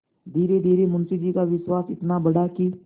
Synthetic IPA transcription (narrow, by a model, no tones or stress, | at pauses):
d̪ʱiːɾed̪ʱiːɾemʊ̃nsid͡ʒiːkaʋɪswaːsɪt̪nabəɽaki